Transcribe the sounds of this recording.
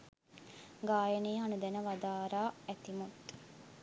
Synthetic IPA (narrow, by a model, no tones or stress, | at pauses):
ɡaːjəneːɦanud̪ænəʋad̪aːɾaːæt̪imut̪